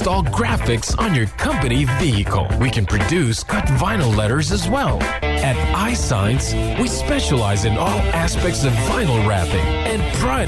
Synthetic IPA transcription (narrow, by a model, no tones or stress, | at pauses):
tɔlˠɡɹæfɪksn̩jə˞kʰʌ̃mpɨniviɨkʰl̩ˠwikɨ̃npʰɹ̥ɨdʉskʰʌtvãɪ̃nl̩ˠlɛɾə˞zɨzwɛlˠ | ɨɾaɪsã̰ɪ̃nts | wispɛʃəlaɪzɨ̃nɔlˠæspɛk̚tsʌvːãɪ̃nl̩ˠɹæfɪ̰k | ɨ̃npʰɹ̥aɪ